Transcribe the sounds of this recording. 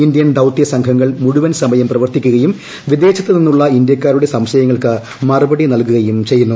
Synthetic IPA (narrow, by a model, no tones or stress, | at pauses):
ind̪jɐnd̪ɐwt̪ːijɐsɐŋkʰɐŋːɐɭmuɻuʋɐnsɐmɐjɐmprɐʋɐrt̪ikʲːuɣɐjum | ʋid̪e̞ːt͡ɕɐt̪ːɨninːuɭːɐind̪jɐkʲːaːɾuɽe̞sɐmɕɐjɐŋːɐɭkɨ | mɐrubɐɽinɐlkuɣɐjumt͡ɕe̞jːunːu